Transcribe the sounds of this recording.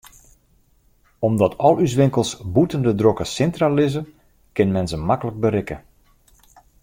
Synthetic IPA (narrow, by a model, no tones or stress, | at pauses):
ɔmdɔtʰɔlˠys̬ʋɪŋkəlˠsbutəndədrokəsɪntralɪzə | kɪnmɛnzəmakələk̚bəɾɪkə